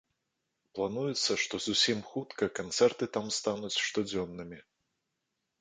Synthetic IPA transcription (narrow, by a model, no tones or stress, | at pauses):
plˠanujɛt̪sːɐʂt̪ɔzusʲimxut̪kɐkant̪sɛrt̪ɨt̪amst̪anut͡sʲʂt̪ɔd͡zʲɔnːɨmʲi